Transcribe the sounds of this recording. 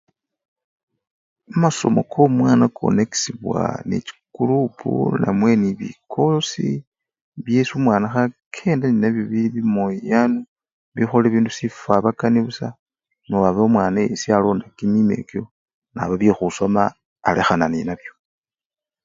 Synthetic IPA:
amaso̞̰mo̞̰kʰomwaːnakʰo̞̰ne̞ki̥siβwa̰nḛt͡ʃi̥kulupʰṵnamwe̞niβḭkʰo̞lo̞si | βjesumwaːnaxakʰe̞ːndaninaβjoβiiβimojijanu | βixoleβiːndusifaβakaniβusa | noaβaomwaːnajesialoːndakimime̞̰ko | na̰βaβixusomaː | le̞xananinaβjo̞

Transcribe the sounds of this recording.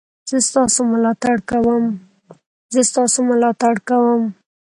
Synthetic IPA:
z̥əst̪ɑsomʊlɑt̪aɽkawəm | zəst̪ɑsomʊlɑt̪aɽkawəm

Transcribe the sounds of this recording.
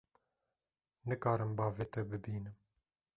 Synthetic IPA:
nɨkɑːɾɨmbɑːveːt̪ɛbɨbiːnɨm

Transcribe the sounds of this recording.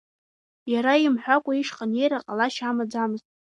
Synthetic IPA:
jaɾaimħʷᶣakʷʼaiʂqʼanejɾaqʼalaʃamad͡zamɨztʼ

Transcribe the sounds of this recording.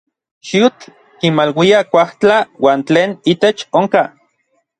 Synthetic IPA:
ʃiut͡ɬ | kinmalwiakʷaht͡ɬawaːnt͡ɬeːnit̪et͡ʃoŋka

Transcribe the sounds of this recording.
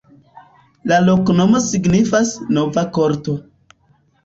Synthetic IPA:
lalo̞kno̞mo̞siɡnifasno̞vakoɾto̞

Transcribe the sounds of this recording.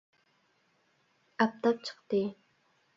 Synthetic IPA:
ap̚t̪ap̚t͡ʃʰḁχt̪i

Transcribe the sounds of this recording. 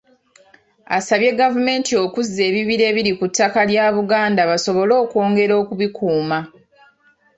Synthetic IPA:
a̰saβje̞ɡavume̞ːntʰio̞kuzːe̞ːβiβiɾe̞ːβiɾikutʰːakaljaːβuɡaːndaβaso̞βo̞lo̞ːko̞ːŋɡe̞ɾo̞ːkuβikuːma

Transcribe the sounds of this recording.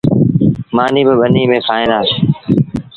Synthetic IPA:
maːniːbɪɓəniːmẽːkʰaːẽːnd̪aːseː

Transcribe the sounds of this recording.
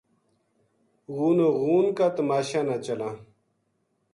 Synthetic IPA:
ɣuːnoɣuːnkat̪ɐmaːɕaːnat͡ɕɐlãː

